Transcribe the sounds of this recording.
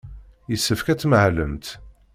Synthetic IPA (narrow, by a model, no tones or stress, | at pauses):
jəsːəfkæt͡sːməʕləmt̪